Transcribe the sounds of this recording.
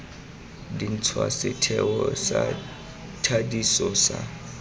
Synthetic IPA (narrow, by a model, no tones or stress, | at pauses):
dint͡sʰwasɛtʰɛwɔsa | tʰadisɔsa